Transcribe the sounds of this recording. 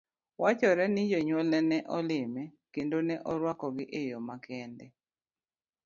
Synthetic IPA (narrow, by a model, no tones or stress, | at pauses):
wat͡ʃɔɾɛnɪd͡ʒɔɲwolɛnɛʔɔlɪmɛkendonɛʔɔɾwakɔɡɪʔejɔmakɛndɛ